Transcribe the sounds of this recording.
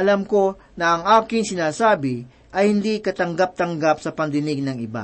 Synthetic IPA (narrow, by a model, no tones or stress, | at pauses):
ʔɐlɐmko̞ | nɐʔɐŋʔaːkɪŋsɪnaːsaːbɪ | ʔɐjhɪnd̪ikɐt̪ɐŋɡap̚t̪ɐŋɡapsɐpɐnd̪ɪnɪɡ̚nɐŋɪba̰